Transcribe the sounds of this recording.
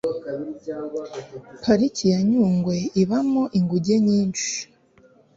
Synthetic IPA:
pʰaɾicijaɲuːŋɡwe̞iβamoʔiŋɡuɟe̞ɲiːnt͡ʃi̥i̥

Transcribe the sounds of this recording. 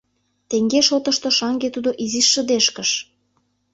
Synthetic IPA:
t̪eŋɡeʃot̪ə̆ʃt̪oʃɑŋɡet̪ud̪oʔiziʃːə̆d̪eʃkəʃ

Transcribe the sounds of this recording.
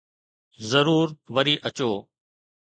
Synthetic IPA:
zəɾuːɾʋəɾiːʔət͡ʃoː

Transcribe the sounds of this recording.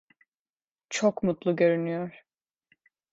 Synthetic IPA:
t͡ʃʰokmut̪lˠuɟø̞ɾynyjoɾ̥

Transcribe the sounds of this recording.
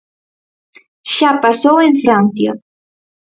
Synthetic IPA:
ʃapasoeɱfɾãnθja

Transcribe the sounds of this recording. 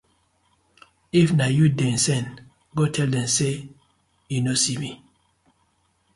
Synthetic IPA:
ifnajudɛ̃nsɛ̃n | ɡɔtʰɛldɛ̃mse | junosimi

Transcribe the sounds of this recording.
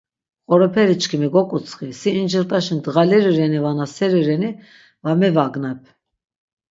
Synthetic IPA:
χɔɾɔpʰɛɾit͡ʃkʰimiɡɔkʼut͡sʰʼχisiːnd͡ʒəɾt̪ʼaʃind̪əʁaliɾiɾɛnivanasɛɾiɾɛni | vamɛvaɡnɛpʰ

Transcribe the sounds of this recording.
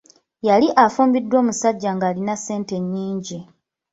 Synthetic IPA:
jaliʔafuːmbidːwo̞ːmusaɟːaŋɡaːlinase̞ːnte̞ɲːiːɲɟi

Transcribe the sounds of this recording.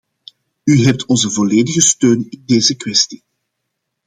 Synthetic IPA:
yɦɛp̚tʰɔnzəvɔleːdəɣəstøːnɪndeːzəkwɛsti̥

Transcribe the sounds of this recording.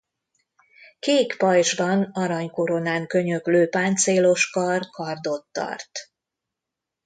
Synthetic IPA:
keːkpɒjʒbɒnɒɾɒɲko̞ɾo̞naːŋkø̞ɲøkløːpaːnt̪seːlo̞ʃkɒrkʰɒrd̪o̞t̪ːɒ̰rt̪

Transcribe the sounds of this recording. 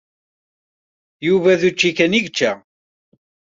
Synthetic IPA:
juvæðut͡ʃːikæniʝt͡ʃːæ

